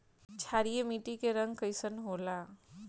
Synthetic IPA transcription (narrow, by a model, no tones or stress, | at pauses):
t͡ʃʰaːɾijemiːʈikeɾɐ̃ŋɡkəɪsənɦoːlaː